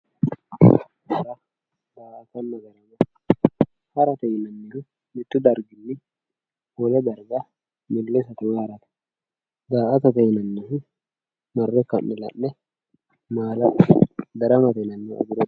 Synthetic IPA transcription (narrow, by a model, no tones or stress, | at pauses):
dɐɾɐ | d̪aːʔɐt̪ɐnːɐɡɐɾɐmɐ | hɐɾɐt̪ɐjɪnɐnːɪlʊ | mɪt̪ːʊd̪ɐɾɡɪnːɪ | wɔlɛd̪ɐɾɡɐ | mɪlːɛsɐt̪ɪmɛhɐɾɐt̪ɐ̥ | d̪aːʔɐt̪ɐt̪ɐjɪnɐnːɐɦɪ | mɐrːɛkɐmːɪlɐ̰nːɛ | maːlɐd̪ɐɾɐmɐt̪ɐnɐnːɛɐ̰ɡʊɾɛ